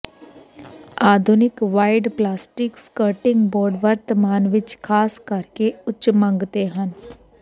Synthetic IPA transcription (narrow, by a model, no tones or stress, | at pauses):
aːd̪ʱʊnɪkʋaːɪɖplaːsʈɪkskəɾʈɪ̃ŋɡbɔːɾɖʋəɾt̪əmaːnʋɪt͡ʃkʰaːskɐɾkeʊt͡ʃmə̃ŋɡt̪eɦən